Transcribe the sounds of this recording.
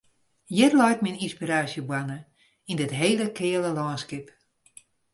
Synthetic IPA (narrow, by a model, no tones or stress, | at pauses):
jɛtlɔjtmininspiɾaːsjəbwanə | indətɦeːləkʰɪːələlɔːnskɪp